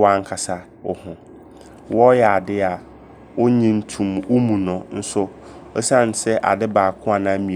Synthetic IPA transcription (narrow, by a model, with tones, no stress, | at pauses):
wa˦ŋ̩˦kʰa˨sa˦ | ʊ˨hʊ̃˨ | wɔ˦jɛ˨a˨dɪ˦a˨ | wʊ˦ɲĩ˦n̩˦tʰũ˨mwʊ˦mũ˨nɔ̃˨n̩˦sʊ˦ɔ˦sã˦˨n̩˨sɛ˦ʔa̰˨dɪ˦baː˨kʰʊ̃˦a˨nã˦mĩ˨